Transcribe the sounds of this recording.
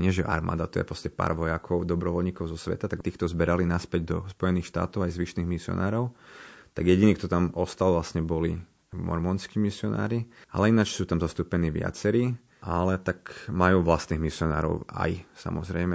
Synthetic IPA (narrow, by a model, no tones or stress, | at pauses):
ɲɪɛʒɛʔa̰ɾma̰ːd̪at̪ɔjɛ̰pɾɔscɛpa̰ːɾʋɔjakʰɔʊd̪ɔbɾɔʋɔlɲiːkɔʊzɔsʋɛ̰t̪at̪akt̪iːxt̪ɔzbɛɾalinaspɛɟd̪ɔspɔjɛniːxʃt̪a̰ːt̪ɔʊajzʋiʃniːɣmisɪɔ̰naːɾɔʊt̪aɡjɛɟiniːk̚t̪ɔt̪amɔst̪alʋlasɲɛbɔli | mɔ̰ɾmɔnskiːmisɪɔna̰ːɾia̰lɛinat͡ʃsuːt̪amzɔst̪uːpɛniːʋɪa̰t͡sɛɾiː | ʔalɛt̪akmajuːʋlast̪niːɣmisɪɔna̰ːɾɔ̰ʊa̰jsa̰mɔzɾɛjmɛ